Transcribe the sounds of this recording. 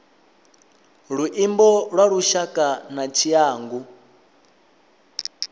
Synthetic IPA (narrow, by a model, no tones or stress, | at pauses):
ɺuʔimbɔɺwaɺuʃakʼanat͡ʃʰiaːŋɡu